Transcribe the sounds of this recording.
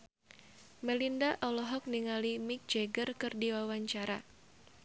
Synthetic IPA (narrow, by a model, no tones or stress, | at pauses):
mɛlindaʔɔlɔɦɔk̚niŋalimik̚d͡ʒɛɡərkɨrdiwawaɲt͡ʃaɾa